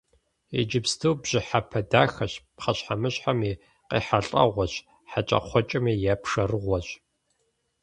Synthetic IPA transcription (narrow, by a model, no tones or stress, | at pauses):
ḛd͡ʒɪbstʰɨwbʑ̥ɪħapʰɐdaːxɐɕpχɐɕħamɨɕħamiː | qḭːħaɬʼɐ̰ʁʷɔɕ | ħat͡ʃʼɐ̰qʷɔt͡ʃʼɐmiːjapʰʂɐrɨʁʷɔɕ